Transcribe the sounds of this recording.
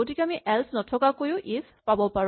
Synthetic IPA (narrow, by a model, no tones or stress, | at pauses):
tikɛamiʔɛlsnɔtʰɔkakojʊ̃ʔis | pabɔpaɹ